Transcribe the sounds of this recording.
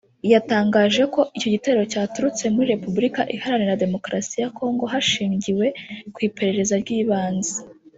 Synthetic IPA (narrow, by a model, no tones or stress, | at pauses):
jataːŋɡaːʒe̞ko̞ʔico̞ɟiteɾɾo̞caːtuɾut͡se̞muɾiɾe̞pubuɾikaʔihaɾanenade̞mo̞kɾasijako̞ːŋɡo̞ɦaʃiːɲɟiwe̞kwiːpe̞ɾe̞ɾe̞zaɾɟiːβaːnze̥